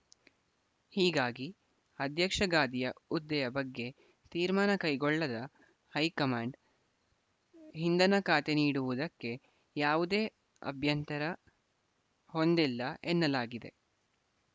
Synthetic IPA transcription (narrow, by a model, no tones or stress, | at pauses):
hiːɡaːɡi | ɐd̪ʱjɐkʂɐɡaːd̪ijɐud̪ːɛjɐbɐɡːe̞ | t̪iːɾmaːnɐkɐjɡɔɭːɐd̪ɐ | hɐjkɐmaːɳɖ | ɦind̪ɐnɐkaːt̪e̞niːɽuʋud̪ɐkːe̞ | jaːʋud̪e̞ː | ɐ̰bʱjɐnt̪ɐɾɐ | ho̞nd̪ilːɐʔenːɐlaːɡid̪e̞̰